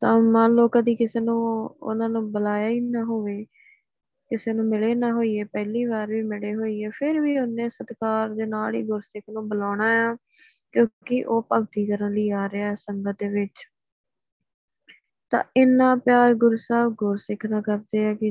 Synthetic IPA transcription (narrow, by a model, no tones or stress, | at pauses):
t̪ãːmãːloːkãːd̪iːkɪseːnũːʊ̰nãːnũːbəlaːjaːiːnãːɦoːʋeː | kɪseːnũːmɪleːnãːɦoːiːeːpɛːliːβaːɾʋiːmɪɽeːɦoːiːeːpʰɪɾʋiːʊnẽːsət̪kaːɾd̪eːnaːlḭːɡʊɾsɪkʰnũːbəlaːɳaːjaː | kjõːkɪʔoːpəɡt̪iːkəɾənliːaːɾeaːɛːsəŋɡəd̪eːʋɪt͡ʃ | t̪ã̰ːʔɪnːãːpjaːɾɡʊɾuːsaːbɡʊɾsɪkʰnaːkəɾd̪eːɛːkɪ